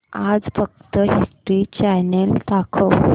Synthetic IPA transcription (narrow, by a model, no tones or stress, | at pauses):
ad͡zfək̚t̪əɦisʈɾit͡ɕɛjnelt̪akʰəw